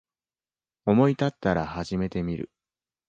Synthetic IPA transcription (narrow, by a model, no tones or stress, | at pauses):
o̞mo̞it̪at̪ːaɾahaʑime̞t̪e̞mʲiɾɯ̟̰